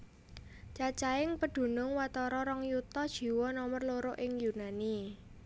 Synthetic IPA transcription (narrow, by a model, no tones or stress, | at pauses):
t͡ʃat͡ʃaɪŋpəɖ̪̥ṳnʊŋwat̪ɔɾɔɾɔŋjut̪ɔd̥ʒ̥i̤wɔnɔmərloɾʊʔɪŋjunani